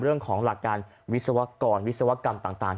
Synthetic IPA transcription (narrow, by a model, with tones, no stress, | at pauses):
ɾɯ˥˩əŋkʰɔː˩˦ŋla˨˩kːaː˧n | wi˦˥t̚sa˧wa˦˥kɔː˧nwi˦˥t̪̚sa˧wa˦˥ka˧mt̪aː˨˩ŋt̪aː˨˩ŋ